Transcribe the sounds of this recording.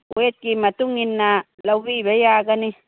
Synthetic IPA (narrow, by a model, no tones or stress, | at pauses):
et̪̚kimat̪uŋinːa | lawwiβejakani